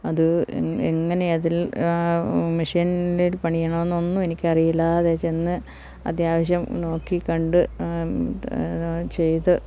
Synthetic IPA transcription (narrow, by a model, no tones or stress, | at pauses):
ɐðɨeŋːɐne̞ɐðil | miʂijnilpɐɳijɐɳɐmenːonːue̞nikʲːɨɐrijilːɐɐðeːt͡ɕːenːɨ | ɐ̰d̪jaːʋɐɕ̬jɐmno̞ːkːikɐɳɖɨ | t͡ɕe̞jt̪ɨ